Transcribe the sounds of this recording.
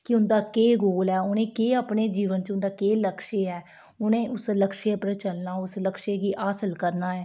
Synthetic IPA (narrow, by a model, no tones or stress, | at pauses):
kɪʊnd̪aːkeːɡoːlɛːʊnẽːkeːaːpɳeːd͡ʒiːʋənt͡ʃʊnd̪aːkeːləkʃeːɛː | ʊnẽːʔʊsləkʃeːpɾət͡ʃəlnaːʊsləkʃeːɡiːʔaːsəlkəɾnaːɛː